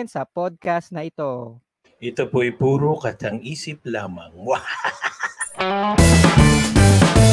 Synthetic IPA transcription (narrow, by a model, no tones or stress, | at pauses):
nsɐpod̪̚kast̪nɐʔɪt̪o̞ | ʔɛt̪opoɐjpuːɾokɐt̪ɐŋiːsɪp̚laːmɐ̰ŋma